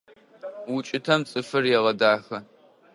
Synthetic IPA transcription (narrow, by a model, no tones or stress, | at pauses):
wʊt͡ʃʼɪtʰɐmt͡sʼɨfɨrjɛʁɐdaːxɐ